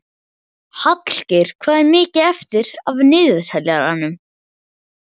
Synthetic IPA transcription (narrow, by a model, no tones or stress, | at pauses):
hat̪l̥cɪɾ̥kʰvaːðɛɾmɪːcɪɛft̪ɪɾavnɪːðʏshɛljaɾa̰nːʏm